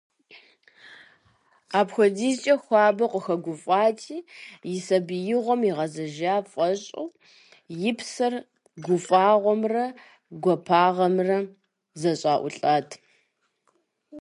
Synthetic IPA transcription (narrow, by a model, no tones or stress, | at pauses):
aːpxʷɔdit͡ʃʼɐxʷɑːbɐqʷəxɐɡʷʊfʼaːtʰiːjɪsɐbɨjɪʁʷɔmiʁɐzɐʒaːfʼɐɕʼɐ̰w | jɪpʰsɐr | ɡʷʊfʼaːʁʷɔmrɐ | ɡʷɔpʰaːʁɐmrɐ | zɐɕʼaːʔʷʊ̰ɬʼaːtʰ